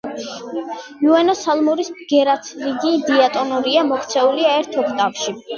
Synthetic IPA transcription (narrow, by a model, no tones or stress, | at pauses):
uɛnɔsalˠmuɾisɡ̥ɛɾat̪ʰliɡid̪iat̪ʼɔnuɾiamɔkʰt̪sʰɛuliaɛɾt̪ʰɔkʰt̪ʼapʃi